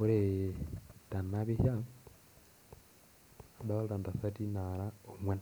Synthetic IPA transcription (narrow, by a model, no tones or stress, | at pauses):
uɾe | tanaβihja | adalɾandasatinaɾaomwen